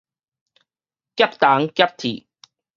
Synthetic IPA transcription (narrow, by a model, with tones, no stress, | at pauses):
kjɐ˦˥p̚t̪a˨˦ŋkʲjɐ˦˥p̚t̪ʰḭ˨˩